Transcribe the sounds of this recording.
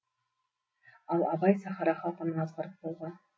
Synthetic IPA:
ɑlˠɑbɑjsɑχɑɾɑχɑlˠqənənɑzʁɑɾəp̚bolˠʁɑn

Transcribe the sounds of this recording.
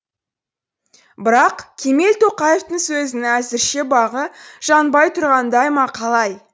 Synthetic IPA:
bɪɾɑqkʲʰe̞me̞lt̪ʰo̞qɑje̞ft̪əɴsɵzɪnɪæzɪɾʃe̞bɑʁəʒ̥ɑnbɑjt̪ʰʊɾʁɑnd̪ɑjmɑqʰɑlˠɑj

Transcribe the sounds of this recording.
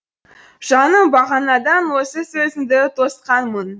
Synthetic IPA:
ʒ̥ɑnəbɑʁɑnɑd̪ɑnwo̞səsɵzɪnd̪ɪt̪ʰo̞sqɑnmən

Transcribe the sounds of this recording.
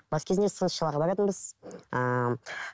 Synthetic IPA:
bɑskʲʰezɪnesənəsʃəlˠɑʁɑbɑɾɑt̪ənbəzə

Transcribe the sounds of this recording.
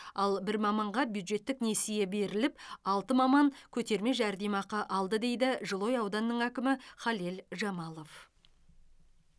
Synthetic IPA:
ɑlˠbɪɾmɑmɑɴʁɑbjud̪ʒe̞t̪ːɪkne̞sije̞be̞ɾɪlɪpɑlˠt̪əmɑmɑŋkʲʰɵt̪e̞ɾme̞ʒæɾd̪emɑqɑʔɑlˠd̪əd̪e̞jd̪ɪʒəlˠo̞jɑwd̪ɑnːəɴækʲɪmɪχɑlelʒɑmɑlˠo̞f

